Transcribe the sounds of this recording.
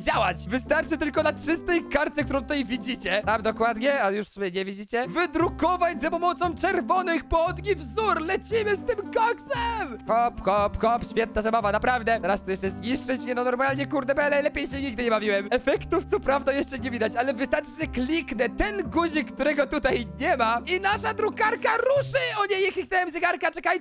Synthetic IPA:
d͡ʑawat͡ɕvɨst̪aɾt͡ʂɘt̪ɘlkɔnat͡ʂɘst̪ɛjkaɾt̪sɛkt̪uɾɔ̃w̃t̪ut̪ajvʲid͡ʑit͡ɕɛt̪amd̪ɔkwad̪ɲɛajuʂfsubʲɛɲɛvʲid͡ʑit͡ɕɛvɘd̪ɾukɔvad͡ʑzapɔmɔt̪sɔ̃w̃t͡ʂɛɾvɔnɪxpɔɔd̪ɲʲivzuɾlɛt͡ɕimɘst̪ɪmkaksɛmxɔxɔpxɔpɕfʲjɛt̪̚nazabavanapɾavd̪ɛt̪ɛɾast̪ɔjɛʂt͡ʂɛzɲiʂt͡ʂɛt͡ɕɲʲɛnɔnɔɾmalɲɛkuɾd̪ɛbɛalɛlɛpʲjejɕɛɲiɡ̚d̪ɘɲɛbavʲiwɛmɛfɛkt̪uft̪sɔpɾavd̪ajɛʂt͡ʂɛɲɛvʲid̪at͡ɕalɛvɨst̪aɾt͡ʂɘ̥t͡ɕɛklʲiknɛt̪ɛnɡuʑikːt̪uɾɛɡɔt̪ut̪ajɲɛmainaʂad̪ɾukaɾkaɾuʂɘɔɲejɛklʲiknɛwɛmzʲɛɡaɾkat͡ʂɛkaj

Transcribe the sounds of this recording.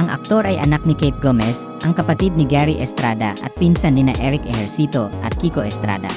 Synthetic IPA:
ʔɐŋʔɐk̚t̪o̞ɾɐjʔɐ̰nak̚nɪkɛjt̪̚ɡomɛs | ʔɐŋkɐpɐt̪id̪̚nɪɡɛɾiʔɛst̪ɾaːd̪ɐʔɐ̰t̪̚pinsanːɪnaʔɛɾɪkʔɛhɛɹsiːt̪oʔɐ̰t̪̚kiːko̞ʔɛst̪ɾa̰ːd̪ɐ̰

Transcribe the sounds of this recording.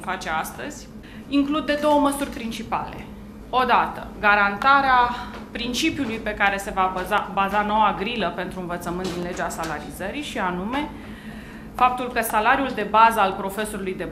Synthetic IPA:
fat͡ʃe̞ast̪əz̥ʲ | iŋklud̪̚ːe̞d̪o̞wəməsurʲpɾint͡ʃipa̰le̞̰ | o̞d̪at̪əɡaɾant̪aɾea | pɾint͡ʃipjulujpe̞kaɾe̞se̞vazabazano̞waɡɾiləpe̞nt̪ɾuɨnvət̪səmɨnt̪d̪inle̞d͡ʒasalaɾizəɾiʃianume̞ | fap̚t̪ulkəsalaɾjuld̪e̞bazəalpɾo̞fe̞so̞ɾulujd̪e̞

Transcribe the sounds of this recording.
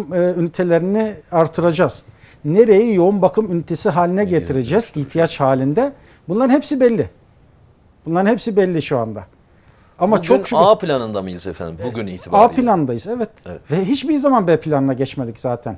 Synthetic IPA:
mɯːynyt̪ʰe̞lʲeɾiniaɾt̪ʰɯɾad͡ʒaz̥ne̞ɾe̞jijo̞unbakʰɯmynyt̪ʰe̞siɦaːlʲinɛɟet̪ʰiɾe̞d͡ʒɛz̥içt̪ʰijat͡ʃhaːlʲind̪ɛ | bunlˠaɾɯnhepsibɛlʲːi | bunlˠaɾɯnhepsibɛlʲːiʃuand̪a̰ | amat͡ʃʰoʃapilʲanɯnd̪amilʲsḛfæ̰nd̪imbuɟynḭːt̪ʰiaːpilʲanɯnd̪ajɯzɛvɛt̪ɛvɛɦit͡ʃbizamanbepʰilʲanɯnaɟɛt͡ʃmed̪icz̥aːt̪ʰæ̰n

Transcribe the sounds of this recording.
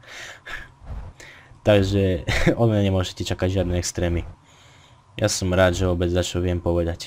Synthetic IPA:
t̪aɡʒɛɔd̪mɲaɲɛmʊɔʒɛcɛt͡ʃakaɟʒɪad̪nɛɛkst̪ɾɛːmi | jasɔmɾaːd̪ʒɛʋɔbɛd͡zzat͡ʃɔʋɪɛmpɔʋɛd̪ac

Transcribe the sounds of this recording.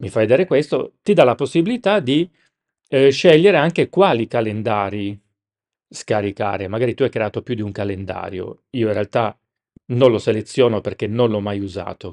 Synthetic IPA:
mifajd̪eːɾekwest̪o̰t̪id̪alaposːibilit̪ad̪i | ʃɛʎːeɾeaŋkekwaːlikalend̪aːɾi | skaɾika̰ːɾemaɡaːɾit̪uajkɾeaːt̪opjud̪iuŋkalend̪a̰ːɾjo̰iːoinrealt̪a | nõnloselet̪sːjɔːnoperk̟enːonlɔmːajuza̰ːt̪o

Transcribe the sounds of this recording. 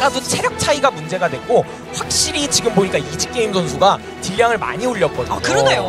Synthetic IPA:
ɡadot͡ɕʰe̞ɾjʌk̚t͡ɕʰaiɡamund͡ʑe̞ɡadwe̞k͈o | ɸwak̚ɕ͈iɾit͡ɕiɡɯmboɲik͈aid͡ʑik͈e̞imsʰʌnsʰuɡa | t͡ɕiʎːaŋɯɭma̰ɲioʎːʌp͈ʰʌdakɯɾʌnejo

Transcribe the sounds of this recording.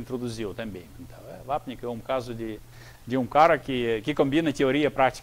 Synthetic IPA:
nt̪ɾɔd̪uziwt̪ɛmbimɛnt̪avɛvap̚ɲikɛumkazudi | d̪iumkaɾakikikɔmbinɛt̪ɛɔɾiapɾakt̪i̥

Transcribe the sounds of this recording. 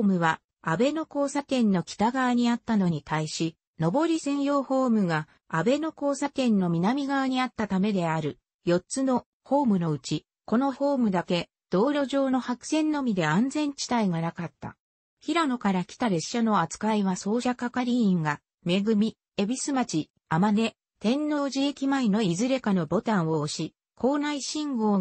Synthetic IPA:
mɯ̟βa | abe̞no̞ko̞ːsat̪ẽ̞nːo̞kʲi̥t̪aɡaβaɲ̟iat̪ːano̞ɲ̟it̪aiɕi | no̞bo̞ɾʲisẽ̞ɰ̃jo̞ːho̞ːmɯ̟ɡa | abe̞no̞ko̞ːsat̪ẽ̞nːo̞mʲinamʲiɡaβaɲ̟iat̪ːat̪ame̞d̪e̞aɾɯ̟ | jo̞tt͡sɨno̞ | ho̞ːmɯ̟no̞ɯ̟t͡ɕi | ko̞no̞ho̞ːmɯ̟d̪ake̞ | d̪̥o̞ːɾʲo̞ʑo̞ːno̞hakɯ̟̥sẽ̞nːo̞mʲid̪e̞ãnd͡zẽ̞ɲ̟t͡ɕi̥t̪aiɡanakat̪ːa̰ | çiɾano̞kaɾakʲi̥t̪aɾe̞ɕːano̞at͡sɨ̥kaiβaso̞ːɕakakaɾʲiĩŋɡa | me̞ɡɯ̟mʲi | e̞bʲisɨmat͡ɕi | amane̞ | t̪ẽ̞nːo̞ːʑie̞kʲimaino̞izɨɾe̞kano̞bo̞t̪ãɰ̃o̞ːɕi | kʰo̞ːnaiɕĩŋɡo̞ː

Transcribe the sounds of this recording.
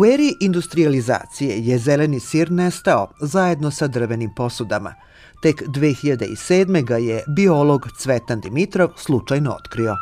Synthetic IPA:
ueɾiiʔind̪ust̪ɾializa̰ːt̪sije̞jezelenisiːɾnest̪aozaje̞d̪no̞sad̪r̩ʋe̞nimpo̞sud̪ama̰ | t̪e̞kd̪ʋeːxiʎad̪ḛḭseːd̪me̞ɡajebio̞lo̞ɡt̪sʋet̪and̪imit̪ɾo̞ʋslˠut͡ʃajnoo̰t̪kɾio̞

